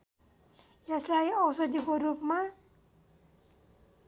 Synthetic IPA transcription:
jeslajʌwsʌd̪ikoɾupma

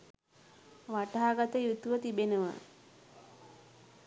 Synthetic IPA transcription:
ʋaʈaaːɡat̪əjut̪uʋət̪ibenəʋə̰

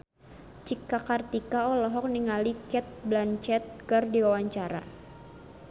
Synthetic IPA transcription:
t͡ʃikakart̪ikaɔlɔɦɔk̚niŋalikɛt̪̚blant͡ʃɛt̪̚kərdiwawaɲt͡ʃaɾa̰

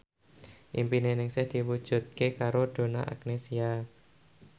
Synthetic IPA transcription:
ʔimpinenɪŋsɪhd̪̥i̤wud̥ʒ̥ṳt̪̚kekaɾod̪̥o̤na̰ʔa̰k̚nesia

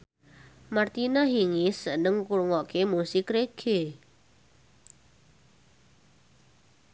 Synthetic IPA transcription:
mart̪inaɦiŋisənəŋkuɾŋɔkemusɪkreɡ̥e

